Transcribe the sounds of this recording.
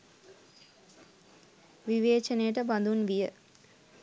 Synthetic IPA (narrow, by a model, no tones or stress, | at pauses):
ʋiʋeːt͡ʃənejəʈəband̪unʋijə